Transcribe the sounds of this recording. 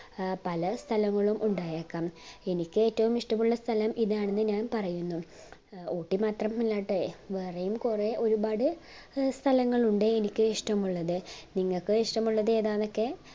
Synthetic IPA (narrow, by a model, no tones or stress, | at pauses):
pɐlɐst̪ʰɐlɐŋːɐɭumʔuɳɖaːjekːaːme̞nikʲːɨeːtːɐʋumiʂʈɐmuɭːɐst̪ʰɐlɐmiðaːɳe̞nːɨɲaːnpɐrɐjunːu | oːʈːimaːt̪rɐmːilːaːʈːɨʋeːrejumkure̞ʔo̞ɾubaːɽɨ | st̪ʰɐlɐŋːɐɭuɳɖeenikʲːɨiʂʈɐmuɭːɐðɨniŋːɐɭkɨiʂʈɐmuɭːɐðe̞ːðaːno̞kːe̞